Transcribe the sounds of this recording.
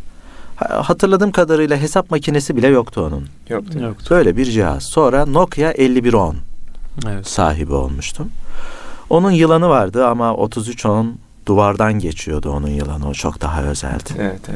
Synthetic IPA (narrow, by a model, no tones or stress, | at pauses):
hhat̪ʰɯɾlˠad̪ɯːmkʰad̪aɾɯjlˠaɦe̞sapmacʰine̞sibilʲɛjokt̪ʰuo̞nun | jbø̞jlʲɛbiɾd͡ʒiɦa̰z̥so̞nɾano̞kʰjaʔɛlʲːibiɾo̞n | sa̰ːɦibio̞̰lˠmuʃt̪ʰum | o̞nunjɯlˠanɯvaɾd̪ɯamao̞̰t̪ʰuzyt͡ʃʰon | d̪̥uvaɾd̪anɟe̞t͡ʃʰijo̞d̪uo̞̰nunjɯ̰lˠa̰nɯot͡ʃʰo̞̰kd̪̥aɦa̰ø̞̰zæ̰lʲd̪ɪɛ